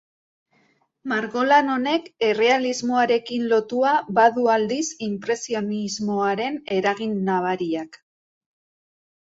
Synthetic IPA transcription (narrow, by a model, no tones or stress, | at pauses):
maɾɣo̞lano̞ne̞ke̞re̞alizmo̞aɾe̞kinlo̞t̪uabaðuald̪isimpɾe̞sio̞nizmo̞aɾe̞ne̞ɾaɣ̞inːaβ̞aɾiak